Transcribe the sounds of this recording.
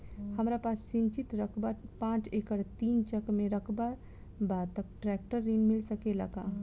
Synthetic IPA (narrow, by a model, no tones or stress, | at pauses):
həmɾapaːsːɪ̃nt͡ʃɪt̪ɾəkʰbaɾpãːt͡ʃekəɽt̪iːnt͡ʃəkmẽɾəkʰbaɾ | baːt̪əkʈɾɛːk̚ʈəɾːinmɪlsəkeləɡaː